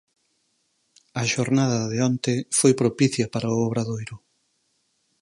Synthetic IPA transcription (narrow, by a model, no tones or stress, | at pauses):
ɐʃoɾnaðɐðeɔnt̪efojpɾopiθjɐpaɾaʊoβɾaðojɾʊ